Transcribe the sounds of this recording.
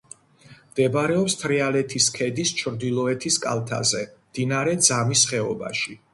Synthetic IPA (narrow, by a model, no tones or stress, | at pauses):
md̪̥ɛbɾɛɔpst̪ʰɾɛalɛt̪ʰiskʰɛd̪ist͡ʃʰɾd̪ilˠɔɛt̪ʰiskʼa̰lˠt̪ʰa̰zɛmd̪̥inaɾɛd̪zamisχɛɔba̰ʃi